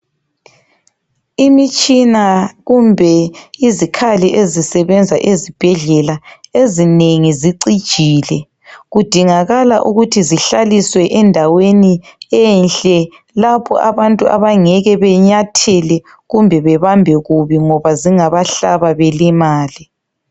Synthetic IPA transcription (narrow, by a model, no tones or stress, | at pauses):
imit͡ʃʼinaɣumbʱɛizikʰaliʔezisɛβɛnd͡zʱaʔezib̥ʱɛɮɛlaezineŋiziǀid̥ʒ̥ʱiːlɛ | ɣud̥ʱiŋaɣalaʔuɣutʰiziɬaliswɛʔɛndʱaweniɛnɬʼɛ | lapʰɔ̰ʔaβantʼuʔa̰βaŋɛɣɛβɛɲatʰɛlɛ | ɣumbʱɛβɛβambʱɛɣuβiŋɔβaziŋaβaɬaβaβɛlimaːli